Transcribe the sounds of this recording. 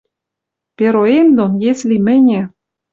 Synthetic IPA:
peɾoemd̪onjesʲlʲimɘ̆nʲĕ

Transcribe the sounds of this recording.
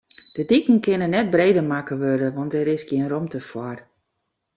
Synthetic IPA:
d̥ədikəŋ̩kɪnənɛt̚breːdəmakəʋødəʋɔntɛɾɪsɡiənromtəfwɔr

